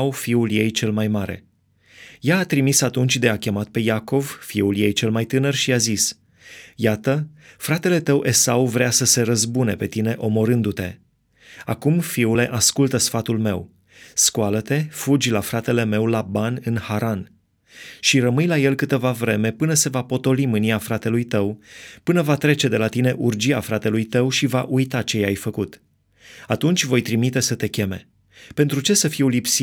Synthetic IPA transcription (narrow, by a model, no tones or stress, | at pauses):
ufiulje̞jt͡ʃe̞lmajmaɾe̞̰ | jaːt̪ɾimisat̪unt͡ʃʲd̪e̞akʲe̞mat̪̚pe̞jako̞vfiuljejt͡ʃe̞lmajt̪ɨnərʃiazis | jat̪əfɾat̪e̞le̞t̪əwʔe̞sauvɾeasəse̞ɾəzbune̞pe̞t̪ine̞ʔo̞mo̞ɾɨnd̪ut̪e̞̰ | a̰kumfiule̞ʔaskult̪əsfat̪ulme̞̰w | skualət̪e̞fud͡ʒʲlafɾat̪e̞le̞me̞wlabanʲɨnhaɾan | ʃirəmɨjlaje̞lkɨt̪əvavɾe̞me̞pɨnəse̞vapo̞t̪o̞limɨniafɾat̪e̞lujt̪əwpɨnəvat̪ɾe̞t͡ʃe̞d̪e̞lat̪ine̞ʔurd͡ʒiafɾat̪e̞lujt̪əwʃivaʔujt̪at͡ʃe̞jajfəkut̪ | at̪unt͡ʃʲvo̞jt̪ɾimit̪e̞sət̪e̞kʲe̞me̞̰ | pe̞nt̪ɾut͡ʃe̞səfiwlipsi